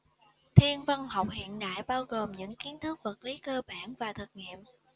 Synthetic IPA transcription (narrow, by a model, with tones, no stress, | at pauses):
t̪ʰi˧ənvə˧nha˨˩wk͡p̚ɦḭ˧˨ənɗa̰ː˧˨jɓaː˧wɣo˨˩mɲɨ̰˧˥ŋki˨˦ənt̪ʰɨ˦˥ək̚və˨˩t̚li˨˦kəː˧ɓaː˧˩nvaː˨˩t̪ʰɨ˨˩k̚ŋḭ˧˨əmʔ